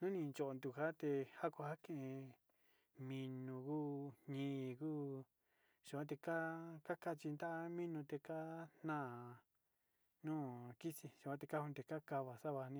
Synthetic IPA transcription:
nũ˦nĩ˧nt͡ʃo˨ʔo˧nd̪u˨ha˦t̪e˧ha˦kʷa˧ha˦kẽ˦˨ẽ˧ | mĩ˧nũ˧kuː˦ɲĩː˧˦˨kuː˦ | ʂu˨˧kʷã˦t̪̬e˧ka˦ka˦ka˦˧t͡ʃi˧nd̪a˦ʔa˦mĩ˦nũ˧t̪e˧ka˦n̥ã˦˨ | nũː˦ki˦si˧ʃu˧˨ã˦t̪e˧ka˦hũ˦˧t̪e˧ka˦ka˧βa˧sa˦βa˧nĩ˦

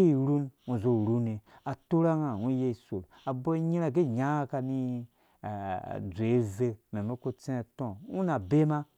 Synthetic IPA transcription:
e˦i˨ɾu˦nũ˨zo˨ɾu˦ne˨a˨tu˦ɾa˦ŋa˨u˦je˦i˨su˨l | a˨bo˦i˦ɲi˦ɾa˦˨ɡe˦˨ɲa˦a˦ka˧ni˧˨ | d͡zʷe˨˦ve˦˧me˨me˦ko˦t͡se˦e˨tõ˦˨u˦na˨be˦ma˦

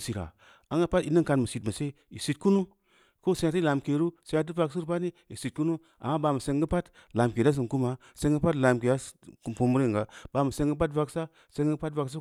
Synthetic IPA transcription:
si˨ɾa̰˨ | a˨˦ŋɡa˦pa˦ti˨˦ni˦ŋka˧nmə˨si˨tmə˨se˦ | i˨si˨t̚ku˦nu˦ | ko˦se˧˦ja˨t̬i˦la˨mke˨ɾu˦se˨˧˦a˦t̬i˦va˧ks̬u˦ɾpa˦ni˦i˨si˨t̚ku˦nu˦ | ʔa̰˨mːa˦ba˧mə˨se˧ŋɡə˦pa˦t | la˨mke˨da˦s̬ɨ˨n˨ku˦ma˨ | se˧˦ŋɡə˦pa˦tla˨mke˨ja˦kpu˧mu˦ɾi˦˨ŋɡa˨ba˨mə˨se˧˦ŋɡə˦p̬a˦tva˨˧ksa˦ | se˦ŋɡə˦pa˦tva˨ks̬a˦

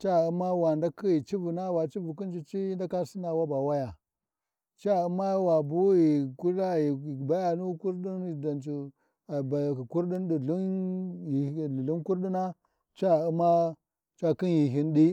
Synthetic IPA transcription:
t͡ʃa˦˨u˦ma˦wa˨nda˦kʰi˦ji˨t͡ʃi˦vu˨na˦wa˨t͡ʃi˦vu˨ki˦n˦d͡ʒi˦t͡ʃi˦i˦nda˦ka˦si˦na˨wa˦ba˨wa˦ja˨ | t͡ʃa˦u˦ma˦wa˨bu˦ji˨ku˦la˦ji˨ba˦ja˨nu˦ku˦ɾɗi˦n˨da˨nt͡ʃi˨ | ba˨ki˨ku˦ɾɗi˦nɗi˨u˦ni˨u˨lu˦nku˦ɾɗi˦na˦ | t͡ʃa˦˨u˦ma˦ | t͡ʃa˦ki˦nji˨ɦi˦ndi˦

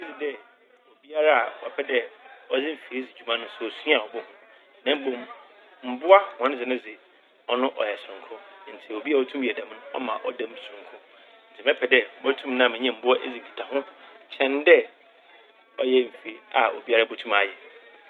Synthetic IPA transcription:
e˦d͡zɪ˨dɛ˦ | o˨bi˦a˦ɾa˦a˨wɔ˨pʰɛ˦dɛ˦ɔ˦d͡zɪ˦m̩˨fi˨ɾi˦d͡zɪ˨d͡ʑᶣu˨mã˦nʊ̃˦sʊ˨ɔ˨sĩ˦a˨ɔ˨bʊ˦hʊ̃˦ | nã˦m˦bo˨m | m̩˨bʊ˦a˦hã˨˦n˦d͡zɪ˨nʊ̃˦d͡zɪ˨ | ɔ˦nʊ̃˦ʔɔ̰˨jɛ˨sɾʊ̃˨ŋ˨kʰʊ̃˦˨n̩˨tʰɪ˨o˨bi˦a˦˨ɔ˦tʰũ˦mjɛ˨dã˨m˦nʊ̃˦ɔ̰˦mã̰˨ʔɔ˦dã˦m˨sʊ̃˨ŋkʰʊ̃˦ | n̩˨tʰɪ˨mɛ̃˦pʰɛ˨dɛ˦˨bɔ˦tʰũ˦mnã˦˨mɪ̃˨ɲɛ̃˦m̩˨bʊ˦a˦ʔe˦zi˨i˨tʰa˨ɦʊ̃˦t͡ɕʰɛ̃˦n˦dɛ˦ | ɔ˦jɛ˦m̩˨fi˨ɾa˨o̰˨bi˦a˦ɾa˦˨bo˦tʰũ˦ma˨jɛ˨

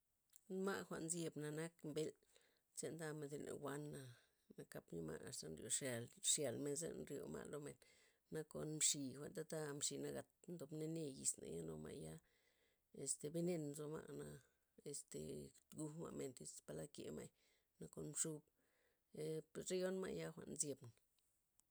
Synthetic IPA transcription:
nma˦ʔxʷa˧˨ʔnzje˧bna˧na˦kmbe˦l | se˧nd̪a˦me˧d̪e˧lḛ˨xwʷa˦nːa˧ | na˧ka˧pɲi˦ma̰˧a˨st̪a˧nɾjo˧ʂa˨lʂja˨lme˧nz̬ḛ˦˧nɾjo̰˨ma̰˧lo˧me˨nː | a˧ko˨nmʂi˨xʷa˨nt̪a˦t̪a˦mʂi˧˨na˧ɡa˨t̪nd̪o˨bne˦ne˦˧ji˨sna̰˨ja˦no˧ma̰˧˨ja˦ | e˧st̪e˨be˦ne˧n˧zo˧ma˧na˧ | e˨st̪ḛ˨ɡu˧ma̰˧ʔme˨nt̪i˧spa˧la˦kḛ˧˨ma˧j | na˦ko˧nmʂu˧b | e˧pɾe˦jo˦nma˧ʔja˦xʷa˧ʔnzje˧bna

